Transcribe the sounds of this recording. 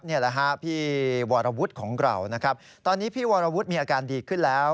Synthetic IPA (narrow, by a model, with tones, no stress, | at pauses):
ni˥˩ɐla˦˩kʰa˦˥pʰiː˥˩wɔː˧ɾa˧wu˦˥t̪̚kʰɔː˩˦ŋɾa̰˧˩wna˦˥kʰɾa˦˥p̚ | t̪ɔː˧nːiː˦˥pʰiː˥˩wɔː˧ɾa˧wu˦˥t̪̚miː˧ʔaː˧kaː˧ndiː˧kʰɯ˥˩nlɛː˦˥w